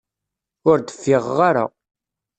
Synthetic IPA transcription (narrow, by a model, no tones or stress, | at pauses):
ʊɾd̪ə̥fːɪʁːaɾa̰